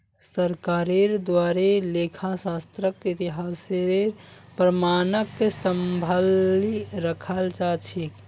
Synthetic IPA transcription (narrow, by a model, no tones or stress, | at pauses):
səɾkaɾeɾd̪waɾelekʰasast̪ɾəkit̪iɦaseeɾ | pɾəmanəkːesəmbʱəliɾəkʰəlt͡ʃat͡ʃʰik